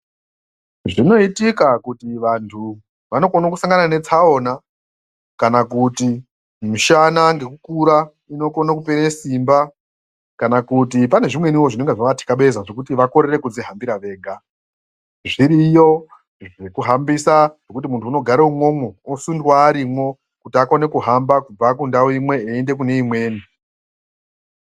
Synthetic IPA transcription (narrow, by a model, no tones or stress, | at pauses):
ʐino̞itikakutiʋantʰu | ʋano̞konokusaŋɡanane̞t͡sao̞na | kanakuti | miʃanaŋɡe̞kukuɾa | ino̞ko̞nakupeɾesimba | kanakut̬ipane̞ʐimwe̞niwo̞ʐine̞ŋɡeʐaʋati̥kaɓe̞zaʐo̞kutiʋako̞ɾere̞kud͡ziɦambiɾaʋe̞ːɡʱa | ʐiɾijo̞ | ʐe̞kuɦambisaʐe̞kut̬imuntʰuːno̞ɡʱaɾeumwo̞mwoːsundwaːɾimwo̞ | kutiakone̞kuɦambakub͡vakundawimwe̞ːende̞k̬une̞imwe̞ːni